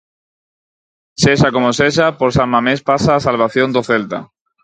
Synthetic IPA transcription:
seʃakomoseʃ̬apoɾsammamespasaːsalβ̞aθjond̪oθelt̪a̰

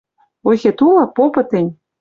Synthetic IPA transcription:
ojxet̪ulɑpopɤ̆t̪ĕnʲ

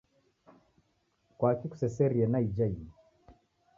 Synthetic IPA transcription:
kwakiku̥sɛsɛɾiɛnaid͡ʒain

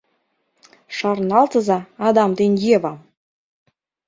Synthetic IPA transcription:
ʃɑrnɑlt̪ɤzɑːd̪ɑmd̪enʲjeβɑm

